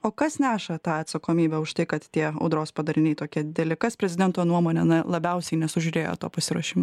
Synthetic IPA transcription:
oːkɐsnʲæːʃɐt̪ɑːɐt̪sɐkoːmʲiːbʲɛʊʃt̪ɐɪkɐt̪t̪ʲiɛɐ̰ʊd̪ɾoːspɐd̪ɐɾʲɪnʲɛɪt̪oːkʲiɛd̪ʲɪd̪ʲɛlʲɪkɐspʲɾʲɛzʲɪd̪ʲɛnt̪oːnuɔmoːnʲɛɐnɐlˠɐbʲɛʊsʲɛɪnʲɛsʊʒʲʊɾʲeːjo̰t̪oːpɐsʲɪɾuɔʃʲɪmoː

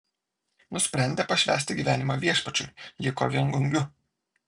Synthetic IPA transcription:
nʊsʲpʲɾʲɛˑnʲd̪ʲepɐʃʲʋʲæ̰ːsʲt̪ʲɪɡʲiːʋʲæːnʲɪmɐʋʲiɛʃpɐt͡ʃʲʊ̰ɪjɪko̰ʋʲiŋɡʊŋʲɡʲʊ

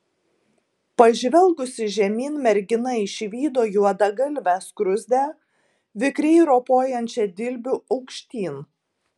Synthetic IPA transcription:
pɐʒʲʋʲɛlˠɡʊsʲɪʒʲɛmʲiːnmʲɛɾʲɡʲɪnɐɪʃʲʋʲiːd̪oːjuɔd̪ɐɡɐlʲʋʲæskɾʊzʲd̪ʲæː | ʋʲɪkɾʲɛɪɾoːpoːjɛnʲt͡ʃʲɛd̪ʲɪlʲbʲʊɐʊkʃʲt̪ʲiːn

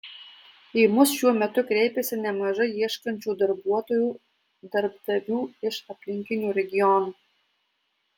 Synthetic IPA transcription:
imʊsʃʲuɔmʲɛt̪ʊkɾʲɛɪpʲesʲɪnʲɛmɐʒɐɪiɛʃkɐnʲt͡ʃʲuːd̪ɐɾbuɔt̪oːjuː | d̪ɐɾb̚d̪ɐʋʲuːɪʃɐpʲlʲɪŋʲkʲɪnʲuːɾʲɛɡʲɪjɔnu

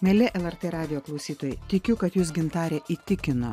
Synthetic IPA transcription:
mʲɛlʲɪʔɛlˠɛɾt̪eːɾɑːd̪ʲɪjoːklˠɒʊsʲiːt̪oːjɛɪt̪ʲɪkʲʊkɐt̪juːs̬ɡʲɪnt̪ɑːɾʲɛʔit̪ʲɪkʲɪno

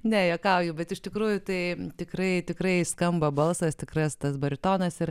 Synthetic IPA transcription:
nʲɛjoːkɐʊjuːbʲɛt̪ɪʃt̪ʲɪkɾuːjʊt̪ɐɪt̪ʲɪkrɐɪt̪ʲɪkɾɐɪskɐmbɐbɐlˠsɐst̪ʲɪkrɐst̪ɐsbɐɾʲɪt̪oːnɐsɪr

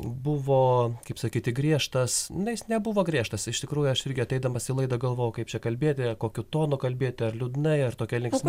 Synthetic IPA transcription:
bʊʋoːkɐɪpsɐkʲiːt̪ʲɪɡɾʲiɛʃt̪ɐsnʊjɪsnʲɛbʊʋoːɡɾʲiɛʃt̪ɐsɪʃt̪ʲɪkɾuːjʊɐʃɪɾʲɡʲɪɐt̪ʲɛɪd̪ɐmɐsɪlˠɐɪd̪ɐɡɐlˠʋoːjʊkɐɪp̚t͡ʃʲɛkɐlʲbʲeːt̪ʲɪɐkoːkʲʊt̪oːnʊkɐlʲbʲeːt̪ʲɪɐrlʲʊd̪nɐɪɐrt̪oːkʲɛlʲɪŋkssmʲ

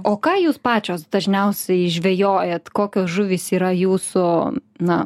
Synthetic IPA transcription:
oːkɑːjuːspɑːt͡ʃʲoːsd̪ɐʒʲnʲɛʊsʲɛɪʒʲʋʲeːjoːjɛt̪koːkʲoːsʒʊʋʲɪsiːɾɐjuːsʊnɐ

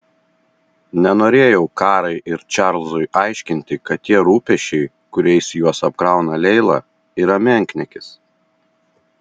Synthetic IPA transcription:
nʲɛnoːɾʲeːjɛʊkɑːɾɐɪʔɪɾt͡ʃʲɑˑɾlˠzʊɪʔɑˑɪʃʲkʲɪnʲt̪ʲɪkɐt̪ʲt̪ʲːiɛɾuːpʲɛʃʲt͡ʃʲɛɪ | kʊɾʲɛɪsjuɔsɐp̚kɾɑˑʊnɐlʲɛɪlˠɑ̰ | iɾɐmʲɛŋʲknʲɛkʲɪs

